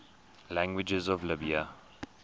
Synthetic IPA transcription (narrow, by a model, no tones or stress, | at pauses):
læ̃ŋɡwɪd͡ʒɛzɔvlɪbiə